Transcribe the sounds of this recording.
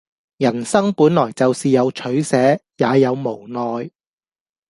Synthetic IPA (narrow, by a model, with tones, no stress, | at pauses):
jɐ˨˩nsɐ˥ŋpuː˨˥nlɔː˨˩jt͡sɐ˨wsiː˨jɐ˨˧wt͡ʃʰɵ˨˥ɥsɛː˨˥jaː˨˧jɐ˨˧wmo˨˩wnɔː˨j